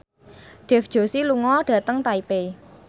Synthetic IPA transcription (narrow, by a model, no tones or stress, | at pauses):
ɖ̥ɛ̤fd̥ʒ̥o̤siluŋɔɖ̥ä̤t̪əŋt̪aipe